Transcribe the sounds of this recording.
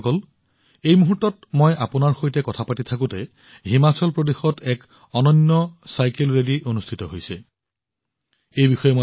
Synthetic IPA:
kɔl | ejmuɦutːɔtmojʔapunaɹxojtɛkɔtʰapatitʰakũtɛ | ɦimat͡sɔlpɹodexɔtʰɛk | ɔnɔnːɔsajkelɹediʔonustʰitɔɦojsɛ | ejbixɔjɛmo

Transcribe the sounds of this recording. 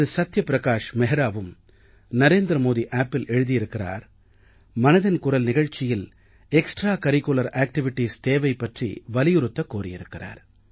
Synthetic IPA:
ðɯsɐt̪ːjɐpɪɾɐkaːʂmɛɦɐɾaːʋɯm | nɐɾeːnd̪ɾɐmoːðiʔaːpːɪlʔɛɻɯðijɪɾɯkːɪra̰ːɾ | mɐnɐðɐnkʊrɐlnɪɣɐɻt͡ʃːɪjɪl | ɛksʈraːkɐɾɪkːʊlɐɾaːk̚ʈɪʋɪʈːiːst̪eːʋɐɪpːɐʈrḭʋɐlɪjʊɾɯt̪ːɐkːoːrɪjɪ̰ɾɯkːɪra̰ːɾ

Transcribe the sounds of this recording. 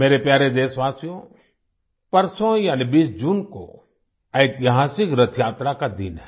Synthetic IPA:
meːɾepjaːɾed̪eːsʋaːsijõ | pɐɾsõjaːnibiːsd͡ʒuːnko̰ | ɐɪt̪ɪɦaːsɪkɾɐt̪ʰjaːt̪ɾakad̪inɦɛ

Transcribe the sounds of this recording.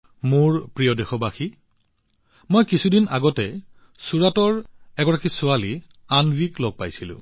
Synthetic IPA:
muɹpɹijɔdɛxɔbaxi | mojkisʰudinaɡɔtɛ | suɹatɔɹɛɡɔɹakisʊali | anbiklɔɡ̚pajsilʊ̰̃

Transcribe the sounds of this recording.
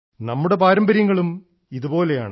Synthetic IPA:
nɐmːuɽe̞paːɾɐmbɐɾjɐŋːɐɭum | iðupo̞ːle̞ja̰ːɳ

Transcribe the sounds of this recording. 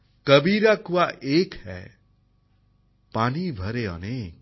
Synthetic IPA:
kəbiɾakuwaʔekhɛ̰ | panibʱʌɾeʌ̰ne

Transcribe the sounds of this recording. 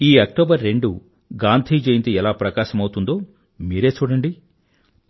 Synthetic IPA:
iːɐk̚ʈoːbɐɾːe̞ɳɖu | ɡaːnt̪ʰiːd͡ʒejnt̪iɛlaːpɾɐkaːʃɐmɐwut̪und̪o̞ː | miːɾe̞ːt͡ʃuːɽɐɳɖi

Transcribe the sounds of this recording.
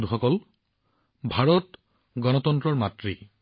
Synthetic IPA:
duxɔkɔl | bʱaɹɔt | ɡɔnɔtɔntɹɔɹmatɹi

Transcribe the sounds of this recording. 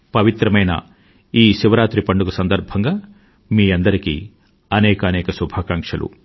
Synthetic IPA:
pɐʋit̪ɾɐmɐjnɐ̰ | iːʃiʋɐɾaːt̪ɾipɐɳɖukusɐnd̪ɐɾbʱɐŋɡaː | miːɐnd̪ɐɾikḭ | ɐnɛːkɐːnɛːkɐsubʱaːkaŋkʂɐlʔṵ

